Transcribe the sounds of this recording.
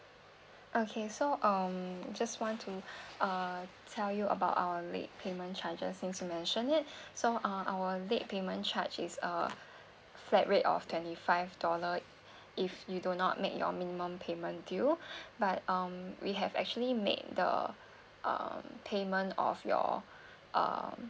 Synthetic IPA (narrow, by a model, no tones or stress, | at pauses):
ʔokʰesoʔʌmad͡ʒastwɔ̃ntʰuʌtʰɛljuʔə̰baʊta̰wəlḛt̚pʰemə̃nt͡ʃad͡ʒə̰nssĩmsjumɛ̃nʃə̃nɪt̚soʔʌ̃ʔawəlet̚pʰemə̃nt͡ʃʰat͡ʃisə̰ | flɛʔɹetɔ̰ftʰw̥ɛ̃ntifaɪvdɔlə | ʔifjudũnɔ̰t̚mek̚jɔ̰mĩnimə̃mpʰemə̃ndubat̚ʌ̃mwiɦɛvɛ̰k̚t͡ʃuəlimḛd̚də̰ | ʔʌ̰mpʰemə̃ntɔ̰fjɔ̰ | ʔʌ̰m